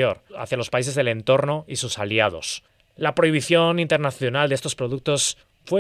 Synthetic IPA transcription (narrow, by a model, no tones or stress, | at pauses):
oɾa̰θjalo̞spais̬e̞zðe̞le̞nt̪o̞ɾno̞isusaliað̞o̞̰s | lapɾo̞iβ̞iθjo̞nint̪e̞ɾnaθjo̞nald̪est̪o̞spɾo̞ðuk̚t̪o̞s | fwe